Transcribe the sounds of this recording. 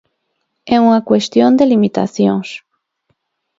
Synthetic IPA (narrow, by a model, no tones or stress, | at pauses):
ɛuŋɐkwest̪jond̪elimit̪a̰θjoŋs